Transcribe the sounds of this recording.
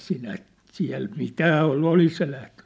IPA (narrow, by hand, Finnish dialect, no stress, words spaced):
sinæ siæ̝l mitæː olːu olis se læhten